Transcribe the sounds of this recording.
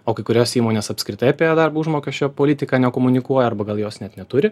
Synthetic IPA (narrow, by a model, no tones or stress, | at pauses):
oːkɐɪkʊɾʲoːsiːmoːnʲeːsɐpʲskɾʲɪt̪ɐɪɐpʲeːjɛd̪ɐrbuʒmoːkʲɛʃʲt͡ʃʲoːpoːlʲɪt̪ʲɪkɑːnʲɛkoːmʊnʲɪkuɔjɛɐrbɐɡɐlˠjoːsnʲɛt̪nʲɛt̪ʊɾʲɪ